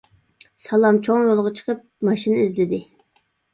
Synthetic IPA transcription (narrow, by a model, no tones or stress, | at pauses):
sɑlˠɑmt͡ʃʰoŋjolˠʁət͡ʃʰə̥qʰəp̚mɑʃinizlɪd̪ɪ